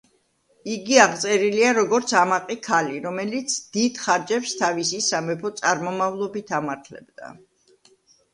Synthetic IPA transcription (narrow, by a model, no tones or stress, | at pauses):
iɡiaʁt̪sʼɛɾiliaɾɔɡɔɾt̪sʰamaqʼikʰaliɾɔmɛlit̪sʰd̪̥id̪̥χaɾd͡ʒɛpst̪ʰavisisamɛpʰɔt̪sʼaɾmɔmavlˠɔbit̪ʰamaɾt̪ʰlɛ̰bd̪a̰